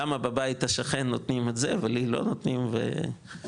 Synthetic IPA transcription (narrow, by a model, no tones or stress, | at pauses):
amabebait̪haʃaχenːot̪nimetzevelilo̞̰not̪nimvḛ